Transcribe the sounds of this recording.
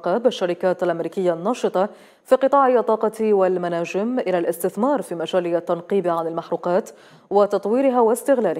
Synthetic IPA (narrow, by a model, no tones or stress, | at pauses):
qɑːbʔaʃːaɾɪkaːt̪alʔamɾiːkɪjːanːɑːʃɨt̪ˤɑ | fiːqɨt̪ˤɑːʕɪʔɑt̪ˤːɑːqɑt̪walmanaːd͡ʒɪmʔɪlaːlʔɪst̪ɪθmɑːɾˤfiːmad͡ʒaːlɪat̪ːanqiːbʕanɪlmaħɾuːqɑːt̪ | wat̪ɑt̪ˤwiːɾɪɦaːwast̪ɪɣlaːlɪ